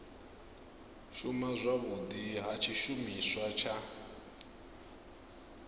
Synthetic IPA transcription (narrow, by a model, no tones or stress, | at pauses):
ʃumazʷaβud̪iɦat͡ʃʰiʃumiswat͡ʃʰa